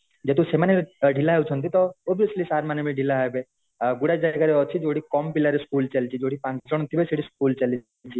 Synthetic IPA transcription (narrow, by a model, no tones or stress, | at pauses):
d͡ʒet̪usemaneɖʱilaɦewt͡ʃʰɔnt̪̬it̪ɔɔbijəslisaɾmanemeɖʱilaɦajbe | ɡuɽad͡ʒaɡaɾeɔt͡ʃʰid͡ʒoɽikɔmpilaɾeskult͡ʃalt͡ʃʰid͡ʒoɽipãŋt͡ʃɔɽ̃nt̪ʰibeseɽisk̚uːlt͡ʃal | t͡ʃʰi